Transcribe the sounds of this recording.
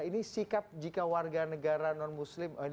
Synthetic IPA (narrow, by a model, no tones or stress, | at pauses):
inisikap̚d͡ʒikawarɡanəɡaɾanɔnmuslɪmə